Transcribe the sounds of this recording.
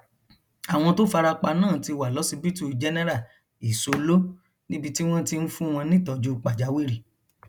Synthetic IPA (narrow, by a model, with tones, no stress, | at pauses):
a˨w̃ɔ̃˧to˦fa˧ɾa˧k͡pa˧nãː˦˨ti˧wa˨lɔ˨˦si˧bi˦tu˦˨d͡ʒɛ˦nɛ˦ɾa˦˨ | i˨so˨˧lo˦ | nĩ˦bi˧ti˦w̃ɔ̃˦ti˧˦n̩˦fũ˦˧w̃ɔ̃˧nĩ˦˨tɔ˧d͡ʒo˧˦k͡pa˨d͡ʒa˨˦wi˦ɾi˨